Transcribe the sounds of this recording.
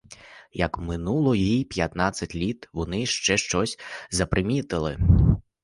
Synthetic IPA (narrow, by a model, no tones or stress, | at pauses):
jɐkmɪnulˠɔjipʲjɐt̪nasʲːɐtʲlʲit̪ʋɔnɪʃt͡ʃɛʃt͡ʃɔsʲzɐpɾɪmʲit̪ɪlˠɪ̰